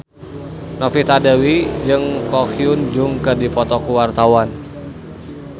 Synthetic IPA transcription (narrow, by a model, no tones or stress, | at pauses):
nɔfit̪adawid͡ʒɨŋkɔkiʊnd͡ʒʊŋkərdipɔt̪ɔkuwart̪awan